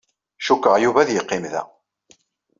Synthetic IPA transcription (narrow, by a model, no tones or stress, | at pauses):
ʃukːəʁjuvæðjəqːɪmðæ̰